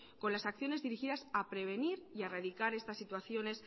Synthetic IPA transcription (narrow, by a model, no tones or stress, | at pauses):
ko̞nlasakθjo̞ne̞zðiɾixiðasapɾe̞β̞e̞niɾiaraðikaɾe̞st̪asːit̪waθjo̞ne̞s